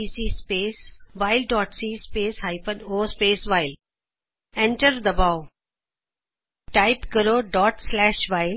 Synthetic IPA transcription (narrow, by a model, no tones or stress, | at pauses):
isiːspeːsʋaːɪlɖɔːʈsiːspeːshaɪpə̃noːspeːsʋaɪl | ɛ̃ɳʈəɾd̪əbaʊ | ʈaɪpkəɾoːɖɔːʈslɛːʃʋaɪl